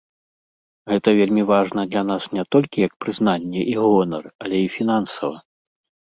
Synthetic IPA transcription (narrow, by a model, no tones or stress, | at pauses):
ɣɛt̪ɐvʲelʲmʲivaʐnɐd̪lʲan̪asnʲɛt̪ɔlʲkʲijɐkpɾɨznanʲːɛʔiɣɔnɐrɐlʲɛifʲin̪ansɐvɐ̰